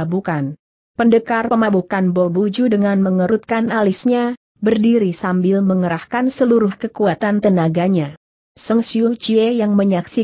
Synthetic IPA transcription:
bukan | pəndəkarpəmabukanbobud͡ʒudəŋanməŋəɾut̪̚kanalisɲa | bərdiɾisambɪlməŋəɾahkansəluɾʊhkəkuat̪ant̪ənaɡaɲa | səŋsiut͡ʃiejaŋməɲaksi

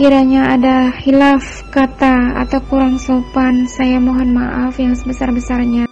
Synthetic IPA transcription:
kiɾaɲaadahilaf | kat̪aa̰t̪awkuɾaŋsopansajamoɦɔnmaʔafjaŋsəbəsarbəsarɲa

